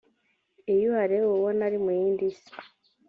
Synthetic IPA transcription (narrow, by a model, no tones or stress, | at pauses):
ejuaɾewowonaɾimuiːndis